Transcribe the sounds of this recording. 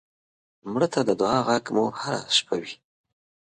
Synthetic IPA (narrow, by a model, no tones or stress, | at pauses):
mɽət̪ʰad̪əd̪ʊɑɣaɡmuhaɾa̰ʃpawi